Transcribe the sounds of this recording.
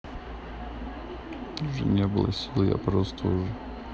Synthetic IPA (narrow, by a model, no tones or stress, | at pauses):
ʊʐɛ̰nʲebɨlˠə̰sʲilˠja̰pɾost̪ʰəʊʐɛ